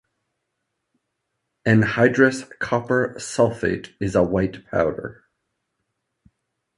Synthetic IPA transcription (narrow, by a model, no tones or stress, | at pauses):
ɨ̃nhaɪdɹɨskʰɑpə˞sɔlˠfḛɪɾɨzəwaɪtpʰa̰ʊɾə̰˞